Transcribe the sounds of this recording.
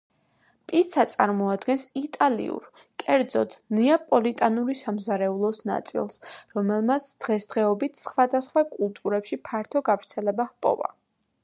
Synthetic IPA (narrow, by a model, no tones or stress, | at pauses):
pʼiɾt̪sʰat̪sʼaɾmɔad̪ɡɛnsit̪ʼalḭṵɾ | kʼɛɾd̪zɔt̪ʰnɛapʼɔlit̪ʼanuɾisamzaɾɛulˠɔsna̰t̪sʼḭlˠsɾɔmɛlˠmat̪sʰd̪̥ʁɛsd̪ʁɛɔbit̪ʰsχwad̪asχwakʼulˠt̪ʼuɾɛpʃipʰaɾt̪ʰɔɡavɾt̪sʰɛlɛbahpʼɔ̰va̰